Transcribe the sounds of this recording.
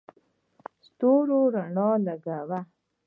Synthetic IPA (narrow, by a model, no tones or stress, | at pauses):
st̪oɾoɾaɳɔlaɡawa